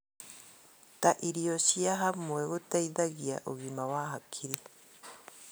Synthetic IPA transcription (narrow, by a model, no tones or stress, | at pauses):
t̪aʔiɾiosiaɦamoeɣot̪aiðaɣia̰ʔoɣimawaɦakʰiɾi